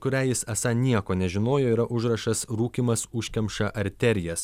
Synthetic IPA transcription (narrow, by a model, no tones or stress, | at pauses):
kʊɾʲæːjɪsɐsɑnʲiɛkoːnʲɛʒʲɪnoːjoːiːɾɐʔʊʒɾɐʃɐsɾuːkʲiːmɐsʊʃʲkʲɛmʃɐʔɐɾʲt̪ʲɛɾʲɪjɛs